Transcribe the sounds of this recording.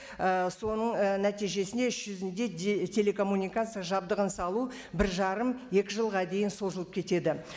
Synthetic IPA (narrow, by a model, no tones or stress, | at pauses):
əso̞nəɴənæt̪ijʒe̞sɪnd̪e̞ʏʃʒ̥ʏzɪnd̪e̞t̪ʲʰe̞le̞kʰo̞mːunʲijkat̪sɨjaʒɑb̚d̪əʁənsɑlˠu | bɪɾʒɑɾəmje̞kʲɪʒəlˠʁɑd̪e̞jɪnso̞zəlˠəp̚kʲʰe̞t̪e̞d̪ɪ